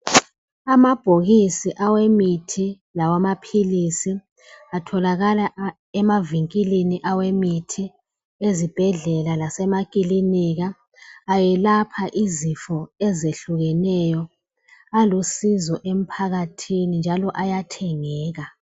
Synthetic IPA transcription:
amab̥ʱoɣisiʔawemitʰi | lawamapʰilisi | atʰɔlaɣala | ɛmaviŋkʼiliniʔawemitʰi | ezib̥ʱɛɮɛlalasɛmakʼiliniɣaː | jɛlapʰaʔizifɔɛzeɬuɣɛnɛjɔ | alusizɔʔem̩pʰaɣatʰinind͡ʒʱalɔʔajatʰɛŋɛːɣa

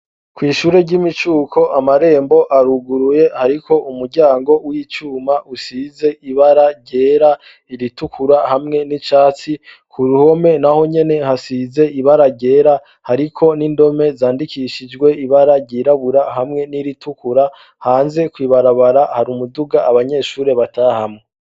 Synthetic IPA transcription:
kwiːʃuːɾe̞ɟimit͡ʃuːkʰo̞ʔamaɾe̞ːmbo̞ʔaɾuɡuɾuje̞haɾikʰo̞ʔumuɾɟaːŋɡo̞wiːt͡ʃuːmaʔusiːze̞ʔiβaɾaɟe̞ːɾa | iɾitukʰuɾahamŋe̞nit͡ʃaːt͡si | kʰuɾuho̞me̞naho̞ɲe̞ne̞hasiːze̞ʔiβaɾaɟe̞ːɾa | haɾikʰo̞nindo̞me̞zaːndikʰiʃid͡ʒɡwe̞iβaɾaɟiːɾaβuɾahamŋe̞niɾitukuɾa | haːnze̞kwiːβaɾaβaɾahaɾumuduɡaːβaɲe̞ʃuːɾe̞βatahamŋee

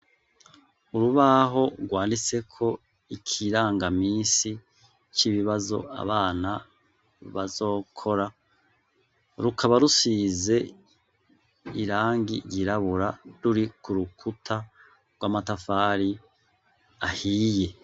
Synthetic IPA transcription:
uɾuβaɦo̞ɾɡwaːndise̞kʰo̞ | ikʰiɾaːŋɡamiːnsi | t͡ʃiβiβazo̞̰a̰βaːna | βazo̞ːkʰo̞ɾa | ɾukʰaβaɾusize̞ | iɾaːŋɡḭɟiɾaβuɾaɾuɾikuɾukʰutʰa | ɡwaːmatafaːɾi | ahiːje̞

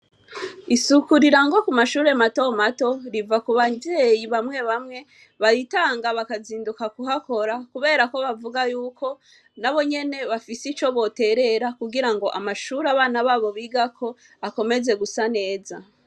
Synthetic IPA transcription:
isukuɾiɾaŋɡo̞kumaʃuːɾe̞mato̞mato̞ɾivakuβazejiβamŋe̞βamŋe̞ | βaɾitaːŋɡaβakaziːndukakuɦako̞ɾakuβe̞ːɾako̞βavuɡajuːkʰo̞ | naβo̞ɲe̞ne̞βafisit͡ʃo̞βo̞te̞ɾe̞ɾakuɡiɾaŋɡo̞ʔamaʃuːɾaβaːnaβaːβo̞βiːɡakʰo̞ | ako̞me̞ze̞ɡusane̞ːza

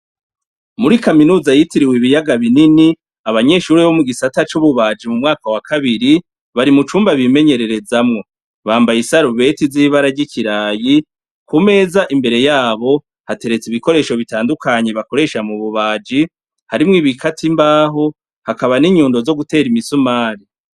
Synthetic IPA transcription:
muɾikaminuːzajitiɾiweβijaɡaβinini | aβaɲe̞ʃuːɾeβo̞muɡisatat͡ʃuβuβaːd͡ʒimumŋaːkawakʰaβiɾi | βaɾimut͡ʃuːmbaβime̞ɲe̞ɾe̞ɾe̞zamŋo̞ | βaːmbajisaɾuβe̞tiziːβaɾaɟiciɾaːji | kume̞zaʔimbe̞ɾe̞jaːβo̞ | hate̞ɾe̞t͡siβiko̞ɾe̞ːʃo̞βitaːndukʰaɲe̞βako̞ɾe̞ːʃamuβuβaːd͡ʒi | haɾimŋiːβikʰatʰimbaːɦo̞ | hakaβaniɲuːndo̞zo̞ɡute̞ːɾimisumaːɾi

